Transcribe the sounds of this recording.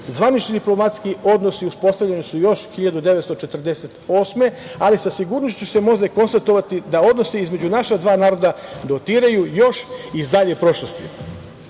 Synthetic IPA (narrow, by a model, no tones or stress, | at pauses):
zʋanit͡ʃnid̪iplˠo̞mat̪skio̞d̪nosiuspo̞st̪aʋʎe̞nisujo̞ʃxiʎad̪ud̪e̞ʋest̪ot͡ʃet̪r̩d̪e̞set̪o̞ːsme̞ | alisasiɡuɾnoʃt͡ɕuse̞mo̞zeko̞nst̪at̪o̞ʋat̪id̪ao̞d̪no̞siizme̞d͡ʑunaʃad̪ʋaːnaːɾo̞d̪ad̪o̞t̪iːɾajujo̞ʃizd̪aʎepɾo̞ʃlost̪ḭ